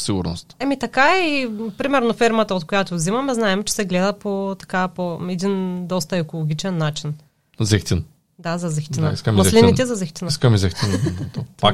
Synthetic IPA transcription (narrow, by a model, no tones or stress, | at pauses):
siɡʊɾno̰st̪ɛmit̪ɐkaɛipɾimɛɾnofɛɾmɐt̪ɐot̪̚kojat̪ovzimɐmɛznaɛmt͡ʃɛ̥sɛɡlɛd̪ɐpot̪ɐ̥kapoɛd̪ind̪ɔst̪ɐɛkolˠoɡʲit͡ʃɛnːat͡ʃin | zɛxt̪ʲin | d̪azɐzɛxt̪inaḭskɐmmɐlinit̪t̪ɛzɐzɛxt̪inskɐmizɛxt̪ind̪d̪opa